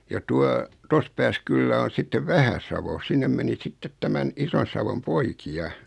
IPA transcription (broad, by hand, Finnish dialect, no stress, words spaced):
jɑ tuɑ tos pæːs kylːæ on̞ sitːeʋ ʋæhæsɑʋo sinːem meni sitːet tæmæn ison̞sɑʋom poikiɑ